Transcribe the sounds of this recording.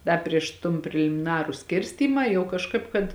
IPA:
ˈdɐ pʲrʲiɛʃ toːn pʲrʲɛlʲɪmʲɪˈnɑːrʊ ˈsʲkʲɪrʲsʲtʲiːmɑː jɛʊ kɐʃˈkɐɪp kɐt

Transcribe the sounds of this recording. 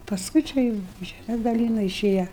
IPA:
pɐsˈkʊɪ t͡ʃʲɛ ˈjuːʊ ʒʲɛˈmʲɛs dɐˈlʲiːnʊ ɪˈʃʲeːjɛ

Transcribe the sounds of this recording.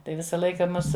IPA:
ˈtɐɪ ˈʋʲɪsɐ ˈlˠɐɪkɐ ˈmʊs

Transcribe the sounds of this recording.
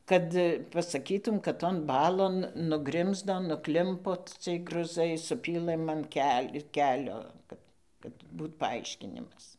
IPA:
ˈkɐt pɐsɐˈkʲiːtuːm kɐt toːn ˈbɑːlˠoːn nʊˈɡrʲɪmzdoː nʊˈklʲɪmpoː ˈt͡sʲiɛj ɡrʊˈzɐɪ sʊˈpʲiːlˠɘm ɐn ˈkʲɛlʲ ɪr ˈkʲæːlʲoː ˈkɐt kɐt ˈbuːt pɐˈɐɪʃʲkʲɪnʲɪmɐs

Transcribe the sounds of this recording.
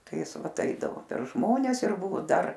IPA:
ˈtɐɪ ˈjɪs ˈʋɐt ˈɐɪdɐʋoː pʲɛr ˈʒmoːnʲɛs ɪr ˈbʊʋoː ˈdɐr

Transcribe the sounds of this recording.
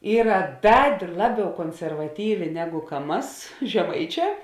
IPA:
ˈiːrɐ ˈdɐ ˈlˠɑːˌbʲɛʊ koːnʲsʲɛrʋɐˈtʲiːʋʲeː ˈnʲæːɡʊ kɐ ˈmɐs ʒʲɛˈmɐɪˌt͡ʃʲɛː

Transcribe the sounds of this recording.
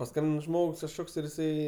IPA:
pɐˈskɐmʲbʲɪn ˈʒmoːks kɐʃˈkoːks ɪr jɪˈsɐɪ

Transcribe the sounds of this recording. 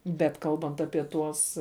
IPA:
bʲɛt ˈkɐlˠbɐnt ɐpʲiɛ ˈtuɔs

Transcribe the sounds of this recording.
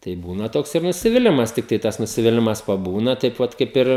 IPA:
tɐɪ ˈbuːnɐ ˈtoːks ɪr nʊsʲɪʋʲɪˈlʲɪmɐs ˈtʲɪktɐɪ tɐs nʊsʲɪʋʲɪˈlʲɪmɐs pɐˈbuːnɐ tɐɪp ˈʋɐt kɐɪp ˈɪr

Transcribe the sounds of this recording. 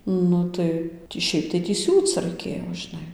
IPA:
ˈnʊ tɐɪ tʲiː ˈʃʲɛɪp tɐɪ tʲiː ˈsʲuːt͡s rɐɪˈkʲeːjoː ʒʲɪˈnɐɪ

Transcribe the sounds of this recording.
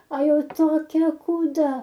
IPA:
ɐ ˈjɛʊ toːˈkʲɛ kuːˈdɐ

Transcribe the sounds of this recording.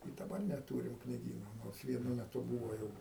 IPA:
ɪ dɐˈbɐr nʲɛˈtuːrʲɪm knʲɪˈɡʲiːnoː ˈnoːrs ʋʲiɛˈnʊ mʲɛˈtʊ ˈbuːʋoː ˈjɛʊ

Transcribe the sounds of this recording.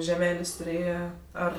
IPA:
ʒʲɛˈmʲæːlʲeːsʲ tʊˈrʲeːjɛ ˈɐr

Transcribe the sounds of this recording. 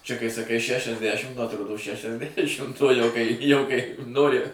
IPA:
t͡ʃʲɛ kɐɪ sɐˈkɐɪ ʃʲɛʃʲɛzʲˈdʲæʃʲɪm nʊ ɐtˈroːdoː ʃʲɛʃʲɛzʲˈdʲæʃʲɪmt uɔ ˈjɛʊ kɐɪ ˈjɛʊ kɐɪ ˈnoːrʲɪ

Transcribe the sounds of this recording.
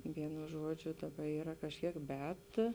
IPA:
ˈʋʲiɛnʊ ˈʒuɔd͡ʒʲʊ ˈdɑːˌbɐ ˈiːrɐ kɐʃʲˈkʲiɛk ˈbʲɛt

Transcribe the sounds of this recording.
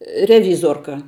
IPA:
rʲɛˈʋʲiːzoːrkɐ

